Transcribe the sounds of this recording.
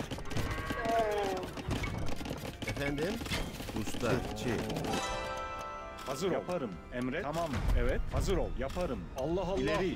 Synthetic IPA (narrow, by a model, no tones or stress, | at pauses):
efænd̪imbust̪at͡ʃʰi | hazɯɾapʰaɾɯm | ɛmɾɛamamɛvɛt̪̚hazɯɾolˠjapʰaɾɯmalˠːaɦaleɾi